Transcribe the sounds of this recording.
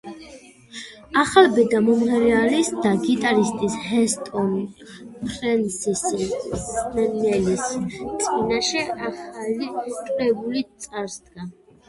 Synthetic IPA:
aχalbɛd̪amɔmɛɾɛalisd̪aɡit̪ʼaɾist̪ʼishɛst̪ʼɔn | pʰɾɛnsis | mɛnɛlist̪sʼqʼinaʃɛaχalit̪ʼɾɛbulit̪sʼaɾsd̪ɡa

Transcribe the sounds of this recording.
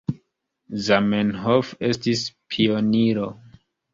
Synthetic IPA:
zamenɦofe̞stispʰioniɾo̞

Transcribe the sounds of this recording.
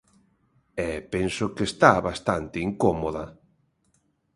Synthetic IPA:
ɛpensokest̪aβast̪ant̪ɪiŋkomoðɐ

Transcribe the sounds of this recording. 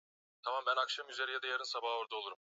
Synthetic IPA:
t̪ʰamambænakʃamyzeɾijad̪ajaɾɯnsabaɦoɾd̪ao̞lˠuɾum

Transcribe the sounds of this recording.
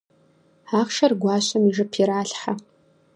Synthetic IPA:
aːχʃɐrɡʷɑːɕɐmiʐɨpʰiɾaːɬħa

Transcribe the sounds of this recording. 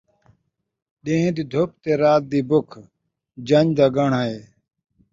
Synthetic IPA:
ɗẽːɦd̪id̪ʱop̚t̪eːɾaːt̪̚d̪iːbʊkʰ | d͡ʒɐɲd̪aːɡɐɳaeː

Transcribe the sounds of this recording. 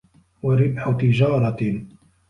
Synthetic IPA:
waɾɪbħʊt̪ɪd͡ʒɑːɾˤɑ

